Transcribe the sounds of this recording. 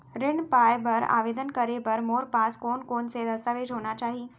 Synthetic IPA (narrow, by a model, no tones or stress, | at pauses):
ɾɪɳ̃paːjpɐɾa̰ːʋeːd̪ənkɐɾepɐɾmoːɾpaːskoːnkoːnsed̪ɐsaʋeːd͡ʒɦoːnat͡ʃaːɦi